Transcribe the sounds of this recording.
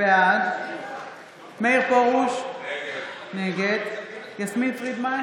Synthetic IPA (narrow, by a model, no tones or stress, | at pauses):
eaz | mejʁpoʁuʃ | neɡed̪jasmitʁid̪ma